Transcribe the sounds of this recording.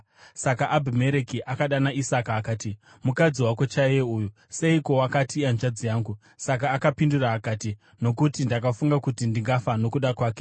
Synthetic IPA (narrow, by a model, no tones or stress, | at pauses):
sakaʔːbʱime̞ɾekiʔakaɗanaisakaːkaːti | mukad͡ziwakot͡ʃajeuːju | se̞iko̞wakatianʐad͡zijaːŋɡu | sak̬aːkapinduraːkaːti | no̞kutindakafuŋɡakutindiŋɡafano̞kuɗakwaːke̞̥